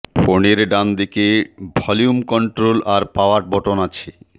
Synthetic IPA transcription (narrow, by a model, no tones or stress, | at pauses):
foneɾɖand̪ikebʱɔlijumkɔɳʈɾolaɾpaaʈ̚bɔʈonat͡ɕʰe